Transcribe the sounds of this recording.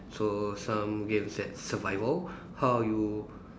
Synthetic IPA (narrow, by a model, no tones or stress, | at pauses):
sosãmɡẽmsdɛt̚səvaɪvəl | hawju